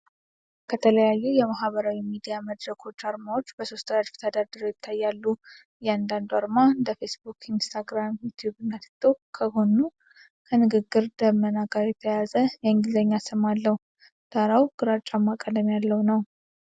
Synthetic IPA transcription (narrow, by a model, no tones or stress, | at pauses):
kʰət̪ʰələjajːujɛmaɦβəɾawimid̪ijaməd̪ɾəkʰo̞t͡ʃːaɾmawo̞t͡ʃːbəso̞st̪ʰəjad̪ft̪ʰəd̪ad̪ɨɾojɪt̪ʰːajːalːu | jɛand̪and̪uaɾmaɨnd̪əfe̞sbukʰinst̪ʰaɡɾamjut̪ʰjubɨnːət̪ʰɨ̥t̪ʼokʰəho̞nu | kʰənɨɡɨɡːɨɾd̪əmənaɡaɾjɛt̪ʰəjazəjɛɨŋɡɪlzəɲːasəmalːəhu | d̪̥aɾawɡ̥ɨɾat͡ʃʼːamːakʼəd̪mjalːəwnəw